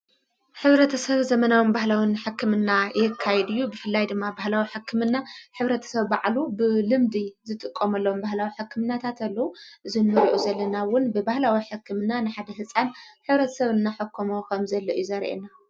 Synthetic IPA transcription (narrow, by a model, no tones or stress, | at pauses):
ħɨβɾɐt̪ʰɐsɐβzɐmɐnawinbahlawinħɨkʰːɨmɨnːajɛkʰːajɛd̪ɨjːubɨfɨlːajd̪ɨmːabahlawiħɨkːɨmɨnːaħɨβɾɐt̪ʰɐ̥sɐβbaʕlubɨlɨmd̪izɨt̪ʼɨkʼːomɐlːɐwombahlawiħɨkʰːɨmɨnːat̪ʰat̪ɐlːɐwuʔɨzɨnːɨɾʔuzɐlːɐnawʊnbɨbahlawiħɨkːɨmɨnanɨħad̪ɐɦɨsʼanħɨβɾɐt̪ʰɐ̥sɐβɨnːaħɨkʰːomokʰɐmzɐlːɐʔɨ̰juzɐɾʔḛna